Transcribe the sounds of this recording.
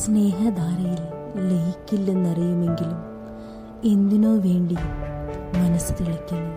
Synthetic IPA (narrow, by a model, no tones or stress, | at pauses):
sne̞ːɦɐd̪aːɾɐjillejikʲːilːe̞nːɐrijume̞ŋɡilum | e̞nd̪inoːʋeːɳɖi | mɐnɐst̪eɭikʲːɐɳɐ